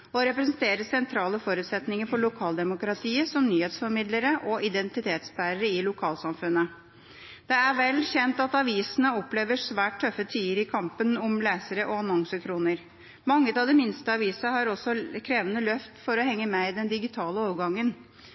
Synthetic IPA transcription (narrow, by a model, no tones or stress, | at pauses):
ɔɾɛpɾɛsnt̪ʰeːɾəsɛnt̪ʰɾɑːləfɔɾʉːt̪sɛt̪nɪŋəɾfɔɭʊkʰɑːld̪ɛmʊkɾɑt̪ʰiːəsɔmnyːheːt̪sfɔɾmɪd̪ləɾəʔɔʔɪd̪ɛnt̪ɪt̪ʰeːt̪sbæːɾəɾəɪlʊkʰɑːlsɑmfʉnːə | d̪̥ɛæɾʋɛlçɛnt̪ɑt̪ɑʋiːsənəɔpleːʋəʂʋæːʈ̚ʈʰːœfːət̪ʰiːəɾɪkʰɑmpənɔmlæːsəɾəʔɔɑnɔŋsəkʰɾuːnəɾ | mɑŋːət̪ɑʋd̪ɛmɪnst̪əɑʋiːsəhɑɾɔsɔkʰɾeːʋənəlœft̪fɔɾɔhɛŋːəmɛɪd̪ɛnd̪ɪɡɪt̪ʰɑːləoːʋɡɑŋːən